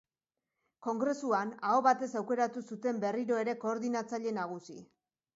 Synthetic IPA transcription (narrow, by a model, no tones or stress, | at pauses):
ko̞ŋɡɾe̞suanao̞βat̪e̞sawke̞ɾat̪usut̪e̞mbe̞riɾo̞e̞ɾe̞ko̞ːɾðinat͡saʎe̞naɣ̞usi